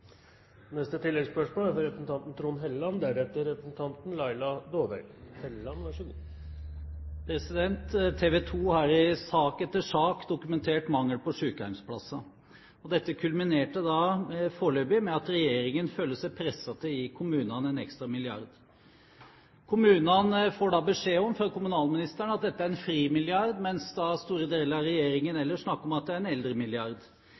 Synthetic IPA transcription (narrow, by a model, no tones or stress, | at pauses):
nɛst̪ət̪ʰɪlːɛɡspœʂmoːlæɾfɔɾɛpɾəsn̩t̪ʰɑnt̪n̩t̪ʰɾuːnɦɛlːɑnd̪æɾɛt̪əɾɛpɾsn̩t̪ʰɑnt̪n̩lɑɪlɑd̪oːʋæ̰ɾɡhɛlːɑnʋɑʂʉ | pʰɾɛsɪd̪ɛnt̪ʰːeːʋɛːt̪ʰuːhɑɾɪsɑːkɛt̪ːəʂɑːkd̪ʊkʉmɛnt̪ʰeːʈmɑŋːəlpɔʂʉːkəhæɪmspʰlɑsːɑ | ɔd̪ɛt̪ːəkʰʉlmɪneːʈəd̪ɑːfoːɭøːbɪmɛɑt̪ɾɛjeːɾɪŋənføːlːəʂæɪpʰɾɛsːɑt̪ʰəɪkʰʊmʉːnɑnɛnɛ̰kst̪ɾɑmɪlɪɑ̰ɾd̪ | kʰʊmʉːnənfoːɖɑːbəʂeːɔmfɾɑkʊmʉnɑːlmɪnɪst̪æɳəɑt̪̚d̪ɛt̪ːəæɾɛnfɾiːmɪlɪɑɾd̪mɛnsd̪ɑst̪uːɾəd̪eːləɾɑɾɛjeːɾɪŋənɛlːəʂnɑkːɔmɑt̪̚d̪ɛæɾɛnɛld̪ɾəmɪlɪɑɾd̪